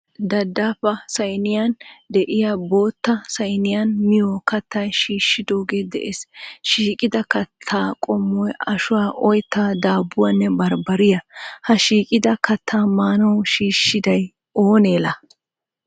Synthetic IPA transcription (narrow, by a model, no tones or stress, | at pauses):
d̪ɐd̪ːaːfɐsɐjnɪjɐnd̪ɛʔɪjabo̞ːt̪ːɐsɐjnɪjɐnmɪjɔkɐt̪ːɐjʃiːʃːɪd̪o̞ːɡeːd̪ɛ̰ʔesʃiːkʼɪd̪ɐkɐt̪ʰːaːkʼɔmːɔjɐʃʊwaːʔɔjt̪ːaːd̪aːbːʊwanːɛbɐɾbɐɾɪjɐhɐʃiːkʼɪd̪ɐkɐt̪ʰːaːmaːnɔwʃiːʃːɪd̪ɐj | oːneːlɐ